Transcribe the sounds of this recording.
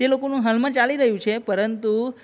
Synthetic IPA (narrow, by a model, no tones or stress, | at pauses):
elokonũɦəlmãt͡ʃaliɾəɦjũt͡ʃʰepəɾənt̪u